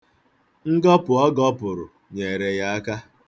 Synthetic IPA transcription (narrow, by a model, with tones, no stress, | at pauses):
ŋ̩˦ɡɔ˦pʊ˨ɔ˦ɡɔ˦pʊ˨ɾʊ̰˨ | ɲe˨ɾe˨ja˦a˦ka˦